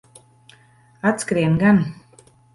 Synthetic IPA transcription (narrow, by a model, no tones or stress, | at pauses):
at̪skɾiɛnɡan